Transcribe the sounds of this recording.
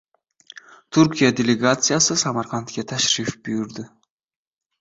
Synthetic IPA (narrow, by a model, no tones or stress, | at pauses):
t̪ʰuɾkʰʲijad̪ʲelʲeɡat̪sɨjasɪsamaɾqʰant̪kʲat̪ʰaʃɾɪfbʊjɪɾd̪ɪ